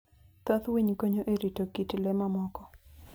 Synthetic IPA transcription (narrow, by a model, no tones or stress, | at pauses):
t̪at̪wiɲkoɲoʔeɾitokitlɛmamɔkɔ